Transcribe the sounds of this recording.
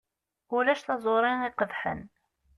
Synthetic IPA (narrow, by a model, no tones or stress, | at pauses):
ulæʃθɑzˤoɾˤɪŋiqəðħə̰n